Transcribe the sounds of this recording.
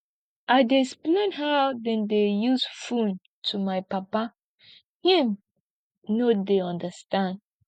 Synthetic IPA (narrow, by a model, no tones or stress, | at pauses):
ʔaɪdesplẽnɦaʊdɛ̃ndejuzfũn | tʰumaɪpapa | hĩm | nodeɔ̃ndəstãnd